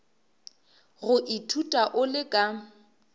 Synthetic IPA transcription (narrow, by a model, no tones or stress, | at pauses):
ɣʊʔitʰutʼaʔʊlɪkʼa